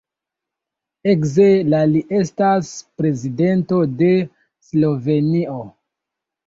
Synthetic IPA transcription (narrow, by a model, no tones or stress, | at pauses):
ekzelaliʔe̞staspɾe̞zide̞nto̞de̞ | slo̞ve̞nio